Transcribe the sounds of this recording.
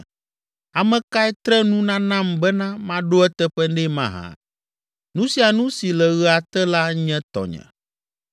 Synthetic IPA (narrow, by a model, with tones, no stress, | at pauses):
a˨mɛ̃˨ka˦ɛ˦t̪ɾɛ˦nũ˦nã˦nã˦mbɛ˦nã˦mã˦ɖo˦ɛ˦t̪ɛ˦ɸɛ˦nɖɛ˦mã̰˦ɦã̰˨ | nũ˦si˨a˨nũ˦si˨lɛ˨ɣə˦a˨t̪ɛ˦la˦ɲɛ̃˦t̪ɔ̰˨ɲɛ̰̃˨